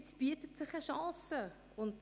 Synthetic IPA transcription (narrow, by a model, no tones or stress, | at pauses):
tsb̥yətətsɪχəʃɑ̃ːsə | ʊnt